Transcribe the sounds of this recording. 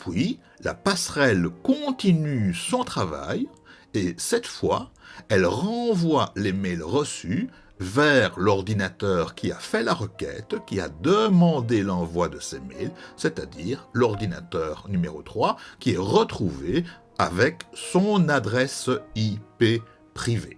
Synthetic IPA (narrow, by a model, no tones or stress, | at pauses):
pʰɥi | la̰pasχɛlkɔ̃t̪inysɔ̃t̪χava̰j | esɛt̪fwa̰ɛlʁɑ̃vwalemɛlʁəsy | vɛʁlɔʁd̪inat̪œːʁkʰʲia̰fɛlaʁəkʲɛ̰t̪kʲia̰d̪əmɑ̃d̪elɑ̃vwad̪əsemɛ̰lset̪ad̪iːʁlɔʁd̪ina̰t̪œʁnymeʁot̪χwakʲiɛʁət̪χuve | a̰vɛksɔ̃nad̪ʁɛsipe | pχive